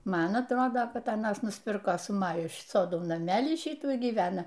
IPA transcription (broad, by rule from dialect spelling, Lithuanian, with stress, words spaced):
ˈmɐn ɐtˈroːdoː ˈkɐt ɐˈnɐs nʊsʲˈpʲɪrkoː sʊ ˈmɑːjʊ ˈsoːdoː nɐˈmʲæːlʲiː ˈʃʲiːtuː iː ɡʲiːˈʋʲæːnɐ